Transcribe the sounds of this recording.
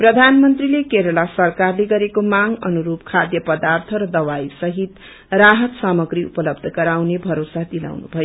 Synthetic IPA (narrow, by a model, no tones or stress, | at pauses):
prʌd̪ʱanmʌnt̪rilekeɾʌɭasʌrkarleɡʌɾekomaŋʌnuɾupkʰad̪jʌpʌd̪art̪ʰʌɾʌd̪ʌwaisʌɦit̪ | raɦʌt̪samʌɡɾiṵpʌlʌbd̪ʱʌɡʌɾawnebʱʌɾosad̪ila̰wnṵbʱʌjo